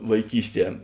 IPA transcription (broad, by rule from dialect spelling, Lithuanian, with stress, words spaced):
ʋɐɪˈkʲiːsʲˌtʲiɛ